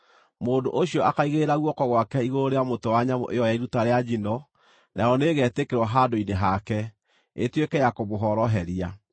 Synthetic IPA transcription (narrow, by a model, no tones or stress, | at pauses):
moːndoʔoɕiɔakaiɣeɾaɣwɔkɔɣwakɛiɣooɾeamotowaɲamɔ̰ʔḛjɔjaiɾutaɾead͡ʑinɔ | nʔaɔneɣɛːtekeɾwaɦadoineɦakɛ | etwekɛjakoβoɦɔɾɔɦɛɾia